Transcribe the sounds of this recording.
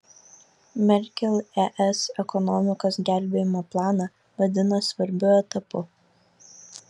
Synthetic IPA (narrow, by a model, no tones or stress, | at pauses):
mʲɛɾʲkʲɛlʲˠɛʔɛsɛkɔnɔmʲɪkoːsɡʲæˑlʲˑbʲeːjɪmoːplˠɑːnɑ | ʋɐd̪ʲɪnɐsʋɐɾʲbʲʊɛt̪ɐpʊ